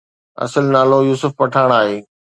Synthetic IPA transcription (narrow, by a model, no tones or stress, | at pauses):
ɐ̰səlnaːlojuːsʊfpɐʈʰaːɽ̃aːɦeː